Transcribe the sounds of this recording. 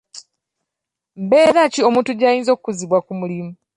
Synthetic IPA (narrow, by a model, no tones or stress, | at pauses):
mbeːɾacio̞mũːntuɟaːjiːnzo̞kukuziβwakumulimu